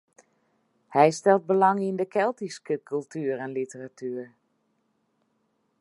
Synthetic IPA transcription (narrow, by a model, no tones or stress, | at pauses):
hɛjstɛlˠt̚bəlaŋindəkʰɛlˠtiskəkʰylˠtʰyːərɛnlitəratʰyːər